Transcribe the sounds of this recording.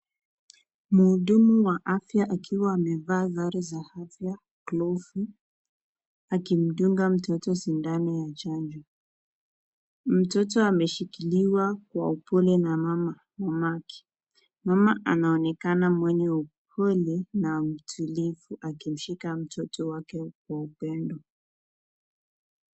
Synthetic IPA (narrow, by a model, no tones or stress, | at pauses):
muːɗumuwaʔafjaʔakʰiwaːmɛvaːɣaɾɛzahafja | klɔfu | akim̩ɗuŋɡam̩tɔtɔsindanijat͡ʃand͡ʒɔ | m̩tɔtɔamɛʃikiliwakwa̰upɔlɛnamama | mamakɛ̥ | mamaʔanaɔnɛkanamwɛɲɛup̚ʰɔlɛnam̩tʰulifuʔakim̩ʃikam̩tʰɔtɔwakɛkwaupɛndɔ